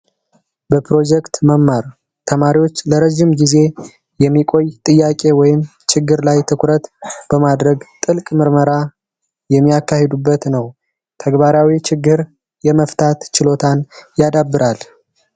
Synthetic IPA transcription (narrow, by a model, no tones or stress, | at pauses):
bəpʰɾo̞d͡ʒɛkt̪məmːaɾ | t̪ʰəmaɾiwo̞t͡ʃːləɾəʒɪmɡize̞ | jɛmːikʼo̞jt̪ʼɨjːakʼe̞wɔjɪm | t͡ʃɪɡːɨɾlajt̪ʰɨkʰʷɾət̪b̥əmad̪ɾəɡt̪ʼɨlkʼmɨɾməɾa | jɛmːijakːahed̪ubːət̪nəw | t̪ʰəɡbaɾawit͡ʃɪɡːɨɾ | jɛməft̪ʰat̪t͡ʃɪlo̞t̪ʰanjad̪abːɨɾʔal